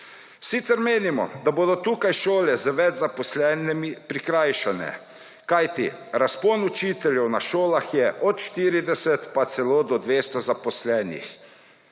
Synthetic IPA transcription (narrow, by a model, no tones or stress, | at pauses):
sit̪sɛɾmeːnimɔ̰d̪aboːd̪ɔt̪uːkajʃoːlɛzəʋɛd͡ʒzapɔslɛːnɛmipɾikɾajʃanɛ̰ | kajt̪ḭɾaspoːnut͡ʃiːt̪ɛljɛwnaʃoːlaxjɛʔɔt̪ʃt̪iːɾid̪ɛsɛt̪pat̪sɛloːd̪ɔd̪ʋeːst̪ɔzapɔslɛːnḭx